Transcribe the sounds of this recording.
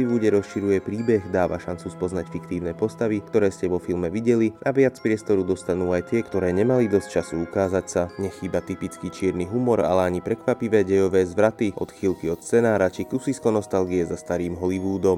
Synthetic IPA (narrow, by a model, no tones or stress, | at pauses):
iʋuːɟɛɾɔsʃiɾujɛpɾiːbɛɣd̪aːʋaʃant͡suspɔznacfikt̪iːʊnɛːpɔst̪aʋikt̪ɔɾɛːscɛʋɔfilmɛʋiɟɛliʔaʋɪat͡spɾɪɛst̪ɔɾud̪ɔst̪anuːajt̪ɪɛkt̪ɔɾɛːɲɛmalid̪ɔsc̚t͡ʃasuukaːzacsaɲɛxiːbat̪ipit͡skiːt͡ʃɪɛɾniɦumɔɾa̰lɛaɲipɾɛkʋapiʋɛːɟɛjɔʋɛːzʋɾat̪iɔ̰t̪xilkiɔt̪st͡sɛnaːɾat͡ʃikusiskɔnɔst̪alɡiɛzast̪aɾiːmɦɔliʋuːd̪ɔm